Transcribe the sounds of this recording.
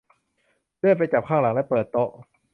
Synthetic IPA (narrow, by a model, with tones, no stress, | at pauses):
lɯ˥˩ə˨jp̬a˧jt͡ɕa˨˩p̚kʰaː˥˩ŋla˨˩˦ŋlɛ˦˥pɤː˨˩t̪ːo˨˩